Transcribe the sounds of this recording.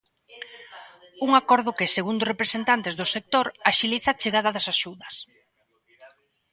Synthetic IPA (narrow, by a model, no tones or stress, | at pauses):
uŋakɔɾð̞ʊkɪseɣund̪ʊrepɾesent̪ant̪ezðʊsek̚t̪oɾaʃiliθat͡ʃeɣaðɐðɐsaʃuðɐs